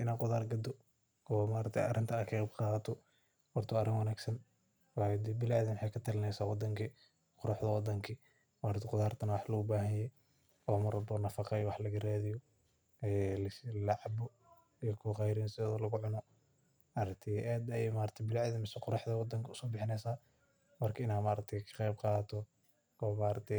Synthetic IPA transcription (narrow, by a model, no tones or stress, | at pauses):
ʔɪnaːqʊðaːrɡɐd̪ɔ | ɔmaːɾɐk̚t̪ʰɛ̰ɐ̰ɾɪnt̪ʰɐnɐkʰɐqbqɑːɐt̪ʰɔ | hɔrt̪ʰɔɐɾɪŋwɑnaːɡsɐn | wɑd̪bɪlʕaðɪnwɑħɑjkʰɐt̪ʰɐlɪnɛjsaːwd̪ɐŋkʰi | qʊɾɑħðɐwɑd̪ɐŋkʰi | maːɾɐt̪ʰɛqʊðaːrt̪ʰɐnɐwɑħlɐʊbaːɦɐnjɛj | ɔːmɐrɐbɔnɐfɑqɛjɔwɑħlɐɣɐɾaːðɪjɔ | ɛlɪslɑʕbɔ | ijɔkʰʊqɑjɾɪnsɔːðɐlɐɣʊʕʊnɔ | ɑɾɐk̚t̪ʰɛʔɛːd̪ɐjɛjmaːɾɐt̪ʰɛbɪlʕðɪnmɪsɛqʊɾɑħdðɐwɑd̪ɐŋkʰɐʊsɔːbɪħɪnɛjsaː | mɐrkʰɐɪnaːmaːɾɐk̚t̪ʰɛkʰɐ̥qɛjbqɑːt̪ʰɔ | ɔːmaːɾɐt̪ʰɛ